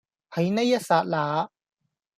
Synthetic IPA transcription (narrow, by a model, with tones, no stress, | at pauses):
hɐ˨˧˥jne˥jːɐ˥t̚saː˧t̚laː˨˧